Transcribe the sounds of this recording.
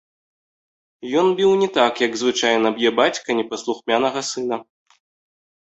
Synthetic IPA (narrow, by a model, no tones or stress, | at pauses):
jɔnbʲiwnʲɛt̪akjɐɡzvɨt͡ʂajnɐbjɛbat͡sʲkɐnʲɛpɐslˠuxmʲanɐɣɐsɨn̪ɐ